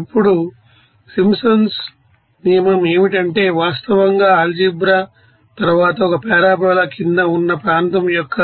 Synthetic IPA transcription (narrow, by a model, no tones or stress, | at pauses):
ipːuɽu | simsɐns | nijɐmɐme̞ːmiʈɐɳʈe̞ːʋaːst̪ɐʋɐŋɡaːld͡ʒibɾɐ | t̪ɐɾʋaːt̪ɐɔkɐpɛːɾaːbɐːlɐkind̪ɐunːɐpɾaːnt̪ɐmjɔkːɐ